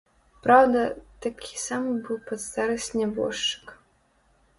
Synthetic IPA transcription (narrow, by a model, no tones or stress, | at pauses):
pɾawd̪ɐt̪akʲʰi̥samɨbɨwpɐt̪st̪aɾɨsʲnʲɛbɔ̰ʂt͡ʂɨ̥k